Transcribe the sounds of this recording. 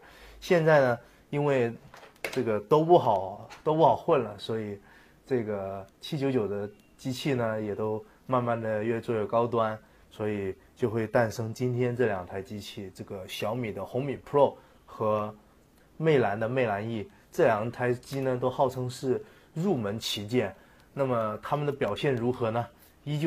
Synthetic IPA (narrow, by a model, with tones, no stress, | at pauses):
ɕjɛ˥˧nt͡sa˥˩ɪnə˩ | i˥nwe˥˧ɪʈ͡ʂɤ˥˩ɡə˩t̪o˥ʊpu˥˩xɑ˨˩ʊt̪o˥ʊpu˥˩xɑ˨˩ʊxwə˥˩nlə˩swɔ˧˥i˨˩ | ʈ͡ʂɤ˥˩ɡə˩t͡ɕʰi˥t͡ɕjo˧˥ʊt͡ɕjo˨˩ʊd̪ə˦ | t͡ɕi˥t͡ɕʰi˥˩nə˩jɛ˨˩t̪o˥ʊ | ma˥˧nma˥˩nd̪ə˩ɥɛ˥˧t͡swɔ˥˧jo˥˩ʊkɑ˥ʊt̪̬wa˥n | swɔ˧˥i˨˩ | t͡ɕjo˥˧ʊxwe˥˧ɪt̪a˥˩nʂɤ˥ŋt͡ɕi˥nt̪ʰjɛ˥nʈ͡ʂɤ˥˩ljɑ˨˩ŋt̪ʰa˧˥ɪt͡ɕi˥t͡ɕʰi˥˩ʈ͡ʂɤ˥˩ɡə˩ɕjɑ˧˥ʊmi˨˩d̪ə˦xʊ˧˥ŋmi˨˩pʰo˥˩ʊ | xɤ˧˥ | me˥˩ɪla˧˥nd̪ə˧me˥˩ɪla˧˥ni˥˩ | ʈ͡ʂɤ˥˩ljɑ˨˩ŋt̪ʰa˧˥ɪt͡ɕi˥nə˧t̪̬o˥ʊxɑ˥˩ʊʈ͡ʂʰɤ˥ŋʂɻ̩˥˧ | ɻu˥˩mə˧˥nt͡ɕʰi˧˥t͡ɕjɛ˥˩n | na˥˩mə˩t̪ʰa˥mə˨nd̪ə˩pjɑ˨˩ʊɕjɛ˥˩nɻu˧˥xɤ˧˥nə˧ | i˥t͡ɕj